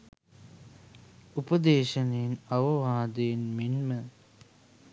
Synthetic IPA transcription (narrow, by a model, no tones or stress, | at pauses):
upəd̪eːʃɐneːnɐʋɐʋaːd̪eːnminmə